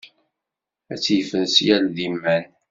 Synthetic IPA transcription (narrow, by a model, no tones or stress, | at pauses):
æt͡sːjfənsjælðimːæn